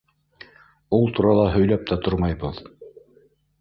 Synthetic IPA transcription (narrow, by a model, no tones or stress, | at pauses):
ulˠt̪ʰuɾɑlˠɑɦɵ̆jlæp̚t̪æt̪oɾmɑjbɤð